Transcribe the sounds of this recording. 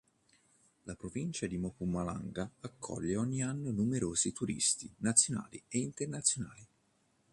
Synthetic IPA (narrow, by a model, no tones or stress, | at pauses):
lapɾovint͡ʃad̪imɔkumːala̰ŋɡaakʰːɔ̰ʎːeɔɲːianːənumeɾoːzit̪uɾḭst̪inat̪sːjona̰ːlieint̪ernat̪sːjonaːli